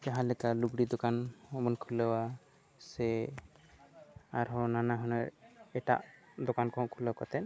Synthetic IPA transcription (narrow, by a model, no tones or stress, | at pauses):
d͡ʒaɦãlɛkaluɡɽid̪ɔkanɔmɔnkʰulɔwa | sɛ | aɾɦɔ̃nanaɦɔnaɛʈa̰ʔ | d̪ɔkankɔɔ̃kʰulɔkɔt̪ɛn